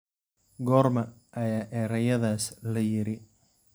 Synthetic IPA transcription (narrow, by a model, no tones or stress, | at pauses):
ɡɔːɾmɐʔɐjaːʔɛɾɐjɐðaːslɐjɪɾɪ